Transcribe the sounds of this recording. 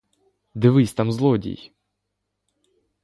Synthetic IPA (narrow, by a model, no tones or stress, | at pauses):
d̪ɨvɨsʲt̪amzlˠɔdʲḭj